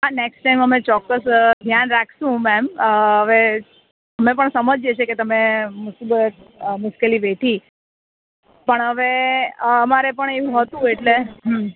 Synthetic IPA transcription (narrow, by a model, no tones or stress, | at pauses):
aneksʈajməmet͡ʃɔkːəsd̪ʱjanɾakʰʃũmɛmɦəʋe | əmepəɳsəməd͡ʒet͡ʃʰeket̪əmemusibət̪̚mʊskeliʋeʈʰi | pəɳɦəʋeː | maɾepəɳeũɦət̪ũeʈle